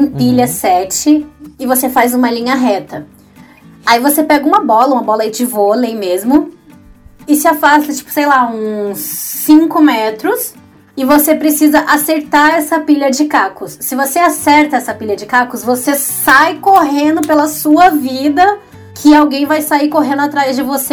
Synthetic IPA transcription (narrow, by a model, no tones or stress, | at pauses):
ẽpiʎɐsɛt͡ʃɪɪvosefajzũmɐlĩɲɐɦɛt̪ɐ | aivosepɛɡɐũmɐbɔlɐũmɐbɔlɐid͡ʒɪvolẽj̃mezmʊ | ɪsɪafast̪ɐt͡ʃi̥pʊ̥sejlaũsːĩŋkʊmɛt̪ɾʊs | ɪvosepɾesizɐʔaseɾt̪aɾɛsɐpiʎɐd͡ʒɪkakʊsːɪvoseasɛɾt̪ɐɛsɐpiʎɐd͡ʒɪkakʊsvosesajkoɦẽnd̪ʊpelɐsuɐvid̪ɐ | kʰɪawɡẽj̃vajsaiɾkoɦẽnd̪ʊat̪ɾajzd͡ʒɪvose